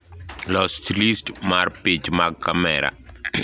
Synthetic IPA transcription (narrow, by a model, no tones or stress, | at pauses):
lɔstʰilistmarpid͡ʒmaɡkamɛɾa̰